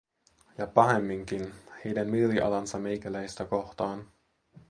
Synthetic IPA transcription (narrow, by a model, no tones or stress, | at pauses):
jɑpɑɦe̞mːiŋkinhe̞jdænmylːiʔɑ̰lɑnsɑme̞jkælæjst̪æko̞ht̪ɑːn